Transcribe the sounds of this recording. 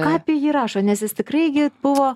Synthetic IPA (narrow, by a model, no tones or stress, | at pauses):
kɑːpʲijiːɾɑːʃoːnʲɛsjɪst̪ʲɪkrɐɪɡʲɪb̥ʊʋoː